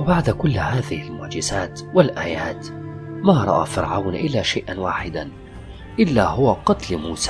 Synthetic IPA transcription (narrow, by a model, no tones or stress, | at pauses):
wɪbaʕd̪akʊlːhaːðɪhɪlmʊʕd͡ʒɪzaːt̪wɪlʔaːjaːt̪maːɾˤɑ̰ʔa̰ːfɪɾʕawnʔɪlːaːʃajʔanwaːħɪd̪an | ʔɪlːaːhʊwaqɑt̪lmuːsaː